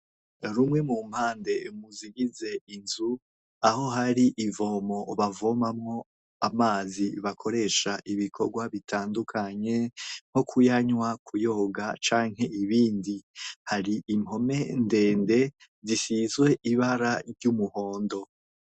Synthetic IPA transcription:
ɾumŋe̞mum̥haːnde̞umuziɡize̞inzu | aho̞ɦaɾiʔivo̞ːmo̞βavo̞mamŋo̞ | amaːziβakʰo̞ɾe̞ːʃaʔiβikʰo̞ɾɡwaβitaːndukʰaɲe̞ŋ̥ho̞kʰujaɲwakʰujo̞ːɡat͡ʃaːŋhe̞iβiːndihaɾiʔimho̞me̞nde̞ːnde̞ | zisizɡwe̞ʔiβaɾaɾɟumuho̞ːndo̞

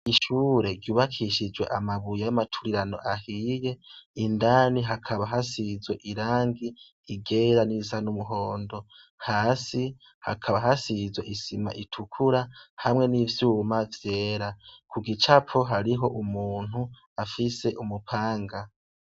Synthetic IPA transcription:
iʃuːɾe̞ɟjuːβakʰiʃid͡ʒwe̞̰ʔamaβujajamatʰuɾiɾano̞̰ʔahiːje̞indaːniɦakʰaβaɦasizwe̞ʔiɾaːŋɡiː | ɡe̞ːɾanizanumuɦo̞ːndo̞ | haːsi | ha̰kʰaβaɦasizwe̞ʔisima̰ʔitʰukʰuɾahamŋe̞nivjuːmavje̞ːɾakʰuɡit͡ʃapoɦaɾiɦo̞ʔumuːn̥hu | afise̞ʔumupʰaːŋɡa

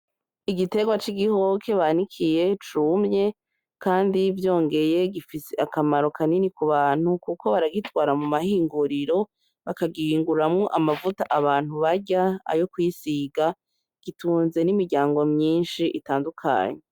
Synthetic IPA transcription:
iɡite̞ɡwat͡ʃiɡiho̞kʰe̞βanikʰije̞t͡ʃumɲe̞ | kaːndivjo̞ːŋɡe̞je̞ɡifiseakamaɾo̞kʰaninikuβaːn̥hukuko̞βaɾaɡitɡwaːɾamumahiːŋɡuɾiɾo̞ | βakaɡiiːŋɡuɾamŋoʔamavutaʔaβaːn̥huβaɟaa̰jo̞kwisiɡa | ɡ̥ituːnze̞nimiɾɟaːŋɡo̞mɲiːnʃiʔitaːndukʰa̰ːɲe

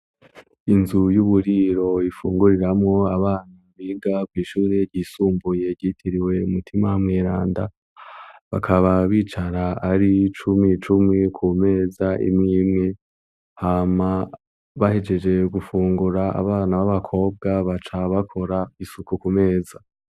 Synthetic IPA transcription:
inzujuβuɾiɾo̞ifuːŋɡuɾiɾamŋo̞aβaːnaβiɡakwiːʃuːɾe̞ɾɟiːsuːmbuje̞ɟiːtʰiɾiwe̞umutʰimamŋiːɾaːnda | βa̰kʰaβaβiːt͡ʃaɾaaɾit͡ʃumit͡ʃumikʰume̞ːzaʔḭmŋiːmŋe̞ | hama | βahed͡ʒe̞d͡ʒe̞ɡufuːŋɡuɾaa̰βaːnaβaβakʰo̞ːb̚ɡaβat͡ʃaβakʰo̞ɾaisukukume̞ːza

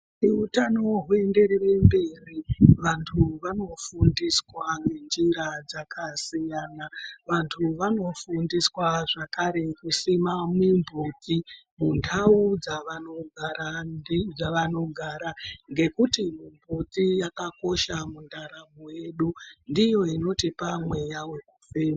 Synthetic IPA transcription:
iutano̞ɦue̞nde̞ɾire̞mbe̞riʋantʰuʋano̞fundiswanɡe̞nd͡ʒiɾad͡zakʰasijaːnaʋantʰuʋano̞fundiswaʐakaɾe̞kusimamimbuːt͡si | muntʰaud͡zaʋano̞ɡʱaɾad͡zaʋano̞ɡʱaɾaŋɡe̞kutimimbut͡sijakako̞ʃamundʱaɾamuwe̞ɗundijo̞ino̞tipamwe̞jawe̞kufema

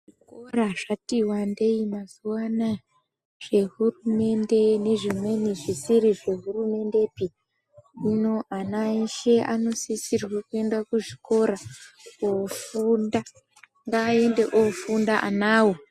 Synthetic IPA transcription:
ʐikkoraʐ̥atiwande̞imazuwana | ʐ̥e̞ɦurume̞nde̞ne̞ʐimwe̞niʐisiɾiʐe̞ɦurume̞nde̞pi | ino̞ʔanaiʃe̞ʔano̞sisirwekue̞ndakuʐiko̞ɾa | ofunda | ŋɡaːe̞nde̞ʔofundaʔa̰naːwo

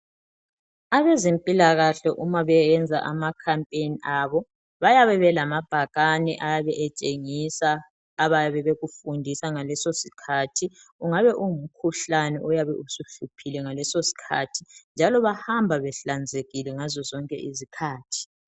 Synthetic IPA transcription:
aβɛzempʼilaɣaɬɔʔumaβɛjɛnd͡zʱa̰ʔa̰makʰampʼeniʔaːβɔ | βajaβɛβɛlamab̥ʱaɣanɛʔajaβɛʔɛt͡ʃʼeŋisaː | βajaβɛβeɣufundʱisaŋalɛsosi̥kʰatʰi | uŋaβɛʔuŋum̩kʰuɬanɛ̰ʔujaβɛusuɬupʰilɛŋalɛsosi̥kʰa̰tʰind͡ʒʱalɔβahambʱaβɛɬand͡zʱeɣilɛŋazɔzɔŋkʼɛ̰ʔizikʰaːtʰi̥

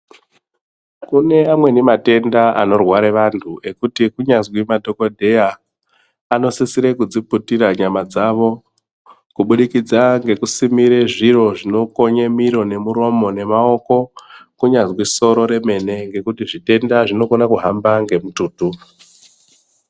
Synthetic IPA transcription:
kune̞amwe̞nimate̞ndaa̰no̞rwaɾeʋantʰuʔe̞kutikuɲazwimadʱo̞ko̞dʱe̞jaː | no̞sisiɾekud͡ziputiɾaɲamad͡zaʋo̞ | kuɓuɗikid͡zaŋɡe̞kusimiɾeʐiro̞ʐino̞ko̞ɲemiɾo̞ne̞muɾo̞mo̞ne̞mao̞ko̞kuɲazwiso̞ɾo̞ɾe̞me̞ne̞ŋɡe̞kutiʐite̞ndaʐino̞konakuɦambaŋɡe̞mutuːtu

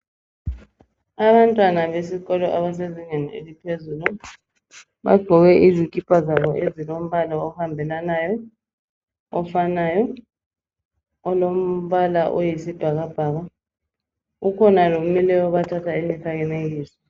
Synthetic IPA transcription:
aɓantʼwanaɓesikɔlɔʔaɓaseziŋɛnielipʰezuːlu | ɓa̰ɡ͡ǃʱɔwɛʔizikʼib̥ʰʱʼazaɓɔʔezilom̩ɓalaɔhambʱɛlanajɔ | ɔfanaːjɔ | ɔlom̩ɓalaʔojisib̥ʱaɣab̥ʱaːɣa | ukʰɔnalomilɛɔɓatʰatʰaimikʰakɛnek̬iːsɔ̥

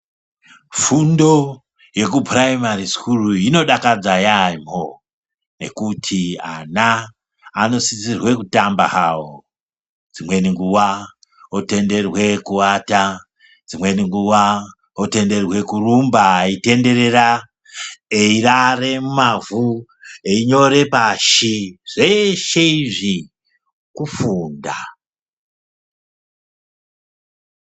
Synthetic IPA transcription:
fundo̞ | je̞kubraimaɾisi̥kuruino̞ɗakad͡zajaimo | ne̞̰kutʰianaː | no̞sit͡sirwe̞kutambahawo | d͡zimwe̞niŋɡuwa | ote̞nde̞rwe̞kuata | d͡zimwe̞niŋɡuwa | ote̞nde̞rwe̞kurumbaite̞nde̞ɾe̞ra | eirare̞mumavueiɲo̞ɾe̞paʃiʐ̥e̞ʃeiʐi | kufuːnda

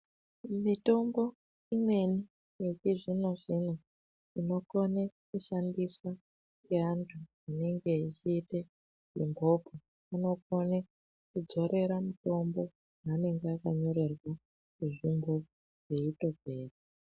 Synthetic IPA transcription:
mito̞mbo̞ | imwe̞ni | jet͡ʃiʐino̞ʐino | ino̞konekuʃandiswa | ŋɡeantʰu | ine̞ŋɡe̞it͡ʃiːte | zimbʱobʱe | ano̞kone | kud͡zo̞ɾe̞ɾamuto̞mbo̞ | ɦane̞ŋɡeakaɲo̞ɾe̞rwa | kuʐimbo̞ | ʐ̥eito̞ɡʱe̞ːre

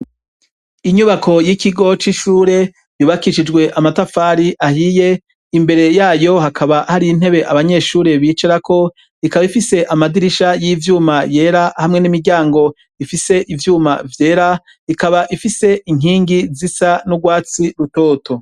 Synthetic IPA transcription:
iɲuβakʰo̞jikiɡo̞t͡ʃiʃuːɾe̞ | juːβakiʃid͡ʒɡwe̞ʔamatafaːɾiʔahije̞ | imbe̞ɾe̞jaːjo̞ɦakʰaβahaɾiin̥he̞βe̞ʔaβaɲe̞ːʃuːɾe̞βiːt͡ʃeɾakʰo̞ | ikaβaifise̞ʔamadiɾiʃajivjuːmaje̞ːɾahamŋe̞nimiɾɟaːŋɡo̞ | ifise̞ʔivjuːmavje̞ːɾa | ikaβaʔifise̞ʔiŋiːŋɡizisanuɡwaːt͡siɾutoːtʰo

